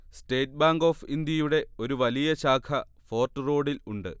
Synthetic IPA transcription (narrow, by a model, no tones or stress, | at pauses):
sʈe̞ːʈ̚baːŋɡo̞ːfind̪jɐjuɽe̞o̞ɾuʋɐlijɐɕaːkʰɐ | fo̞ːrʈːɨro̞ːɽiluɳɖɨ̰